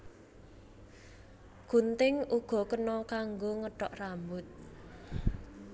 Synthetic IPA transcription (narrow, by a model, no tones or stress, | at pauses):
ɡ̥unt̪ɪŋʔuɡ̥ɔ̤kənɔkaŋɡoŋəʈɔʔrambʊt̪̚